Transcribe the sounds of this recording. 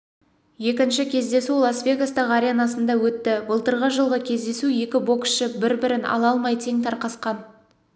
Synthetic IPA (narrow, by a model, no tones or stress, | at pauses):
je̞kʲɪnʃɪkʲʰe̞zd̪e̞sulˠasvʲe̞ɡast̪əʁɑɾʲenɑsənd̪ɑwɵt̪ːɪbəlˠt̪əɾʁəʒəlˠʁəkʲʰe̞zd̪e̞suje̞kʲɪbo̞ksʃɪbɪɾbɪɾɪnɑ̰lˠɑlˠmɑjt̪ʰe̞ŋt̪ʰɑɾqɑsqɑn